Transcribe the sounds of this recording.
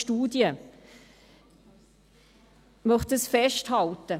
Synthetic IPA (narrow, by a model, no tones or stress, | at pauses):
tuːdjə | mœχt̪əsfɛʃthɑltə